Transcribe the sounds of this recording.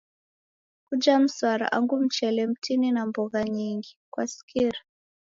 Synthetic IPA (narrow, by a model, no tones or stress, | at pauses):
kud͡ʒam̩swaɾa̰ʔaŋɡum̩t͡ʃɛlɛm̩tʰininambɔɣaɲiŋɡikwa̰si̥kʰiɾa